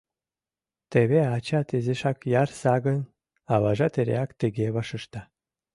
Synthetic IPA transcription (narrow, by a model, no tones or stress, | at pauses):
t̪eβeat͡ɕat̪ezeʃakjarsaɡə̆n | aβaʒat̪eɾḛakt̪ĕɡeβaʃɤ̆ʃt̪a